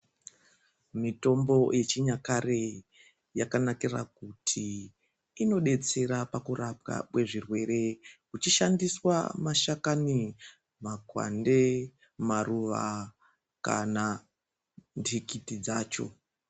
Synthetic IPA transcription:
mito̞mbo̞je̞t͡ʃiɲakaɾe | jakanakira̰kutʰiː | no̞ɗe̞t͡se̞ɾapakuɾap̚ka̰kwe̞ʐirwe̞ɾe̞kut͡ʃiʃandiswa̰maʃakani | makwa̰nde̞ | maruʋa̰ | ka̰na | ntʰikitid͡zaːt͡ʃo̞̰

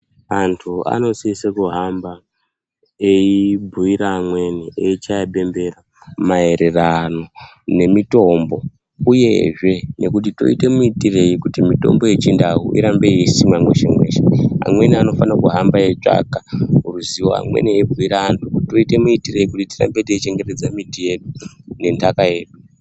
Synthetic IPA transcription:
antʰua̰no̞siisekuɦamba | eibʱuiɾaːmwe̞nieit͡ʃaaɓe̞mbe̞ra | mae̞ɾe̞rano̞ | ne̞mito̞mbo̞ | ujḛʐe̞ne̞kut̬ito̞̰ite̞muitire̞ikutimito̞̰mbo̞jet͡ʃindaɦṵʔḭɾambe̞iesimwamwe̞ʃemwe̞̰ːʃea̰mwe̞niano̞fanakuɦambaje̞t͡ʂa̰kaɦuruziwo̞̰a̰mwḛnieibʱuiɾaantʰukutto̞ite̞muitire̞ikutitira̰mbeteit͡ʃe̞ŋɡe̞te̞d͡zamitije̞ɗune̞ndʱakaje̞ːɗu

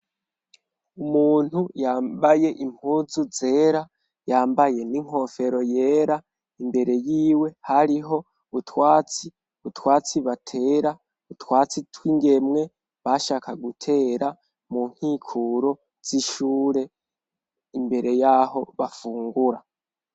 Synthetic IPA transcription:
umuːn̥hujaːmbaje̞ʔimuzuze̞ːɾa | jaːmbaje̞niŋ̥o̞fe̞ɾo̞je̞ːɾa | imbe̞ɾe̞jiːwe̞haɾiɦo̞ | utwaːt͡si | βutwaːt͡siβatʰe̞ːɾa | utwaːt͡sitwiːŋɡe̞mŋe̞ | βaʃaːkaɡutʰe̞ɾa | muŋ̥hiːkʰuɾo̞ | z̥iʃuːɾe̞ | imbe̞ɾe̞jaːho̞βafuːŋɡuɾa

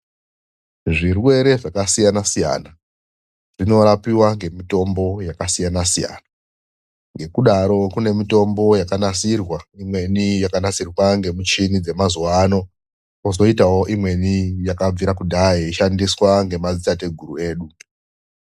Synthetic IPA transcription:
ʐirwe̞ɾe̞ʐakasijanasija̰na | ʐ̥ino̞ɾapiwaŋɡe̞mito̞mbo̞jakasijanasija̰ːna | ŋɡe̞kuɗaɾo̞kune̞mito̞mbo̞jakanasirwaimwe̞nijakanasirwaŋɡe̞mut͡ʃinid͡ze̞mazuwaːno̞ | kozo̞itawo̞ʔimwe̞nijakab͡viɾakudʱaiiʃandiswaŋɡe̞mazitate̞ɡʱuɾue̞ːɗu

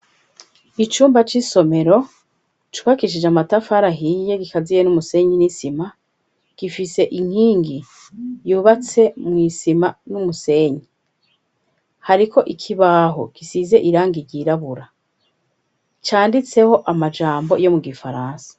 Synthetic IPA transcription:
it͡ʃuːmbat͡ʃiso̞me̞ɾo̞ | t͡ʃuβakiʃ̬id͡ʒamatafaɾaɦije̞ɡikazijenumuse̞ɲinisima | ɡ̥ifise̞ʔiŋ̥hiːŋɡi | juːβat͡se̞mŋiːsimanumuse̞ːɲi | haɾikʰo̞ʔikʰiβaːɦo̞̰kisize̞ʔiɾaːŋɡiɾɟiɾaβuɾa | t͡ʃaːndit͡se̞ho̞ʔamad͡ʒaːmbo̞jo̞muɡifaɾaːnsḁ

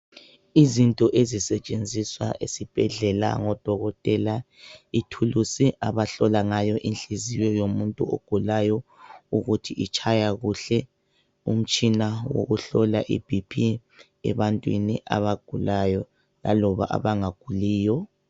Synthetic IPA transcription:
izintʼɔʔezisɛt͡ʃʼend͡zʱiswa̰ʔesib̥ʱɛɮɛla̰ŋɔd̥ʱɔɣɔtʼɛla | itʰulusiʔaβaɬɔlaŋajɔʔinɬizijɔjomuntʼuo̰ɡ̥ʱulajɔuɣutʰiʔit͡ʃʰʼajaɣuɬɛ | ṵm̩t͡ʃʼinawo̰ɣuɬɔlaʔḭb̥ʱipʰi | ɛ̰βantʼwḭnḭʔa̰βaɡ̥ʱulajɔ | la̰lɔβa̰ʔa̰βaŋaɡ̥ʱuliːjɔ

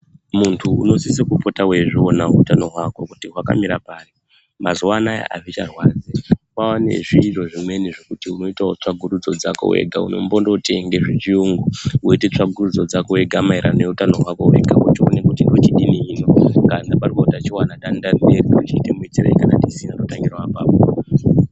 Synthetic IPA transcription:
muntʰuṵno̞sisikupo̞tawe̞ʐionautano̞ɦwako̞kutiɦwaka̰miɾapaːri | mazuanaja̰ʔa̰ʐit͡ʃarwaːd͡zewawanḛʐiʐo̞ʐimwe̞niʐekutiuno̞itaot͡ʂaɡʱuɾud͡zo̞d͡zako̰wḛɡʱauno̞̰mbondoteŋɡe̞ʐit͡ʃiuŋɡuwoite̞t͡ʂaɡʱurud͡zo̞d͡zakowe̞ɡʱamaiɾʔaneutano̞ɦwako̞we̞̰ɡʱakutio̰ne̞kutindo̞tiɗiniiːno̞kaŋdaparikotat͡ʃiwanaɗandambe̞riut͡ʃitemuit͡sira̰ikana̰tisinatotaŋɡirwapaːpo

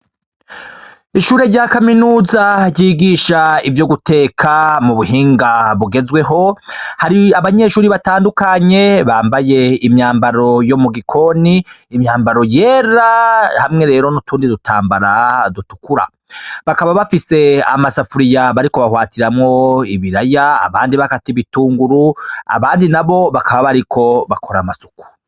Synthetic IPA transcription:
iʃuːɾe̞ɾɟakaminuːzaɾɟiːɡiʃaivjo̞ɡutʰe̞ːkʰamuβuɦiːŋɡaβuɡe̞zɡwe̞ɦo̞haɾiaβaɲe̞ʃuːɾiβataːndukaɲe̞βaːmbaje̞imɲaːmbaɾo̞jo̞muɡikʰo̞niːmɲaːmbaɾo̞je̞ːɾahamŋe̞ɾe̞ːɾo̞nutuːndidutʰaːmbaɾadutukuɾa̰ | βakaβaβafise̞a̰masafuɾijaβaɾiko̞βahwaːtiɾamŋo̞iβiɾajaa̰βaːndiβakatiβituːŋɡuɾua̰βaːndinaβo̞βakaβaβaɾikʰo̞βakʰo̞ɾamasu̥ku̥

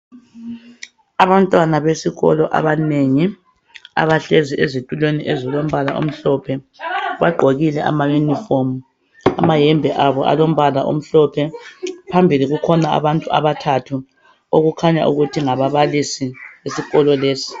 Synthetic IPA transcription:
aβantʼwanaβesiɣɔ̰lɔʔa̰βaneŋi | a̰βaɬeziʔezitʼulweniʔezilom̩βalaʔo̰m̩ɬɔpʰɛ | βaɡ͡ǃʱoɣilɛʔa̰majunifom | amajɛmbʱɛʔaβɔʔa̰lom̩βalaʔo̰m̩ɬɔpʰɛpʰambʱiliɣukʰɔnaa̰βantʼua̰βatʰatʰu | oɣukʰaɲa̰ʔuɣutʰiŋaβaβalisiβesiɣɔlɔleːsi̥

